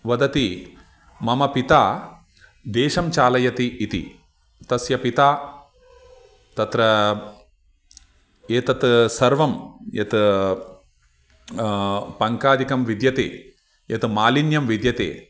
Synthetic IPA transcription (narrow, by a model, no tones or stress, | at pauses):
ʋɐd̪ɐt̪i | mɐmɐpit̪aː | d̪eːʃɐmt͡ʃaːlɐjɐt̪iːt̪ḭ | t̪ɐsjɐpit̪aː | t̪ɐt̪ɾɐ | eːt̪ɐt̪sɐɾʋɐmjɐt̪ɨ | pɐŋkaːd̪ʱikɐmʋid̪jɐt̪ḛː | jɐt̪ɨmaːlinjɐmʋid̪jɐt̪ḛː